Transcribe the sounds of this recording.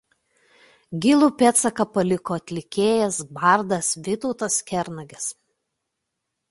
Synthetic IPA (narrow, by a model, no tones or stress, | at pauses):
ɡʲɪlˠuːpʲɛt̪sɐkɐpɐlʲɪkoːɐt̪ʲlʲɪkʲeːjɛsbɑˑɾd̪ɐsʋʲɪt̪ɔʊt̪ɐskʲɛɾnɐɡʲɛs